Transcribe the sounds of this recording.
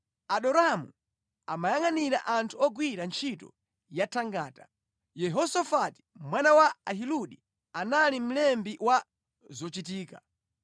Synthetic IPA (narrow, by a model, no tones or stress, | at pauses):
aɗɔɾamṵ | amajaŋaniɾa̰ʔantʰuɔɡwiɾant͡ʃʰitɔ̰ | jatʰaŋɡaːta | jɛɦɔsafati̥mwanawaaɦiluɗi | analim̩lɛmbiwa | zɔt͡ʃitiːka